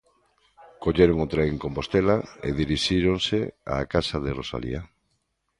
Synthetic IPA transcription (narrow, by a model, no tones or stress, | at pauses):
koʎeɾoŋʊt̪ɾeŋkompost̪elaḛðiɾiʃiɾoŋsea̰kasaðɪrosa̰lḭa